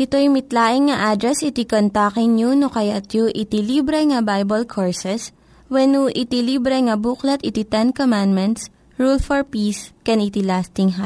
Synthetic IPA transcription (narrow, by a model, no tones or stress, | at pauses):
ʔɪt̪ojmɪt̪laːʔɪŋːɐʔad̪ɾɛsɪt̪ikont̪akɪŋɲjunokɐjat̪juʔɪt̪ilibɾɛŋɐbajbɐlkʰoɹsɛs | wɛnuʔɪt̪iliːbɾɛŋɐbuklɐt̪ʔɪt̪it̪ɛnkomand̪mɛnt̪s | ɹulfɔɹpiːskɛnit̪ilast̪ɪŋɦa